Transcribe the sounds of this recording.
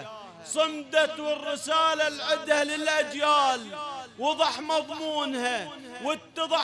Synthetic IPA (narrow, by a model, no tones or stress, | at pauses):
sˤɨmd̪at̪wɪrːɪsaːlalʕɪd̪halɪlʔad͡ʒjaːlwɑðˤɑħmɑðˤmuːnha | wɪt̪ːɑðˤɑ